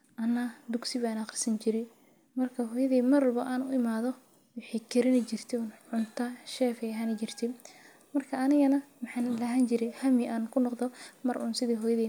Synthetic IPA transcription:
ʔɐnːɐd̪ʊɡsɪβaːnɐqɑrsɐnt͡ʃɪɾɛ | mɐrkʰɐɦɔːjɐðiːmɐrbɐʔaːnʊɪmaːðɔ | wɪħɛkʰɛɾɪnɐt͡ʃɪrt̪ʰɛnʕʊnt̪ʰɐʃɛːfɛjɐɦaːnɐt͡ʃɪrt̪ʰɛ | mɐrkʰɐɐnɪɣɐnɐmɐħɑnlɐɦɐnt͡ʃɪɾɛjhɐmiʔaːnkʰʊnɔqðɔmɐrʔʊnsɪðiːɦɔːjɐðɛː

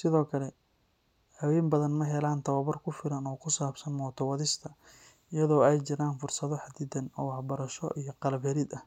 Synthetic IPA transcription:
sɪðɔːkʰɐlɛ | hɐwɛːmbɐðɐnmɐɦɛlaːnt̪ʰɐwɐβɐrkʰʊfɪɾɐnɔːkʰʊsaːbsɐnmɔːt̪ʰɔwɐðɪst̪ʰɐ | ɪjɐðɔːɛjt͡ʃɪɾaːnfʊrsɐðɔħad̪ɪːd̪ɐnɔ̰wɑħbɐɾɐʃɔ̰ʔijɞqɑlɐβɛɾɪd̪ɐh

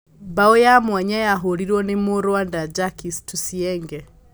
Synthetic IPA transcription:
mbaɔjamwaɲajaɦoɾiɾwɔnemoɾwandad͡ʒakistusiɛŋɡɛ

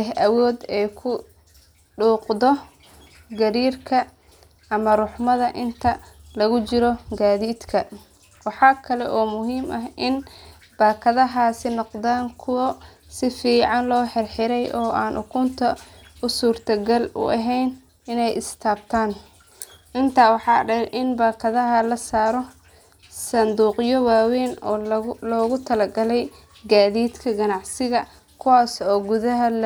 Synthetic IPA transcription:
ɛɦɐwɔːd̪ɛjkʰʊ | ɖuːqd̪ɔ | ɡɐɾiːrkʰɐ | ɐmɐrʊħmɐðɐʔɪnt̪ʰɐlɐɣʊt͡ʃɪɾɔɡaːðiːd̪kʰɐ | wɑħɑːkʰɐlɛʔɔːmʊɦiːmʔɐɦʔɪn | b̥aːkʰɐðɐɦaːsɪnɔqd̪aːŋkʰʊwɐ | sɪfiːʕɑnlɔːħɪrħɪɾɛjʔɔːʔaːnʔʊkʰʊnt̪ʰɐʊsuːrt̪ʰɐɡɐlʊ̰ʔɐɦɛjn | ɪnɛjʔɪst̪ʰaːb̚t̪ʰaːn | ʔɪnt̪ʰaːwɑħɑːɖɛʔɪnbaːkʰɐðɐɦɐlɐsaːɾɔ | sɐnd̪uːqjɔwaːwɛːnɔːlɔːɣʊt̪ʰɐlɐɡɐlɛj | ɡaːðiːd̪kʰɐɡɐnɑʕsɪɣɐ | kʰʊwaːsɔːɡʊðɐɦɐl

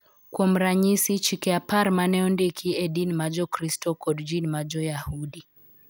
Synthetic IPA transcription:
kwɔm̩ɾaɲisit͡ʃikɛapaɾmanɛɔndɛkʰiɛɗinmad͡ʒɔkɾistɔkɔdd͡ʒinmad͡ʒɔjahudi

